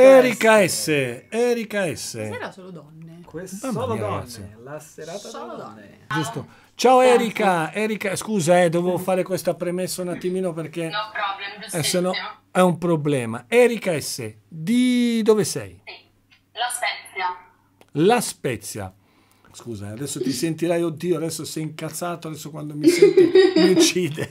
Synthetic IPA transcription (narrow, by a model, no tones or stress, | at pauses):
ɛɾikaɛsːeɛɾikaɛsːḛɾasolod̪ɔnːekmamaaɡa̰t̪sːjilaseɾat̪oloɔn | d͡ʒust̪o | t͡ʃaːoɛɾikaɛɾikaskuːzaɛd̪ovevofaːɾekwest̪apɾemesːaunat̪ːimiːnopeɾkeɔɛsɔno | ɛumpɾoblɛːmaɛːɾikaɛsːḛ | d̪id̪ovesɛ̰j | lasɛt̪sja | laspɛt̪sja̰ | skuːza̰ad̪ɛsːot̪isent̪iɾajod̪ːiːoad̪ɛsːosɛjiŋkat̪sːaːt̪oad̪ɛsːokwand̪omismiut͡ʃiːd̪e